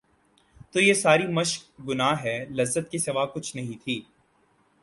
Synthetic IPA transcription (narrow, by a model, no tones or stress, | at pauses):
t̪oːjesaːɾimɐʃk̚ɡʊnaɦɛːlɐzːət̪kisɪʋaːkʊt͡ʃʰnɐɦĩt̪ʰiː